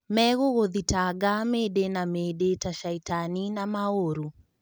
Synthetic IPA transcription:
mɛɣoɣoðitaɡameɗenameɗetaʃaitaninamaoɾu

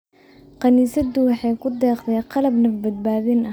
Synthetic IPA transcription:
qɑniːsɐd̪ʊwɑħɑjkʰʊd̪ɛːqt̪ʰɛjqɑlɐbnɐbɐd̪̚baːðɪnɐ

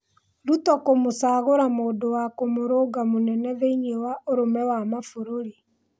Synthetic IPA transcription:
ɾutɔkomosaːɣoɾamoːdowakomoɾoːɡamonɛnɛðeiɲewaʔoɾomɛwamafoɾoɾi

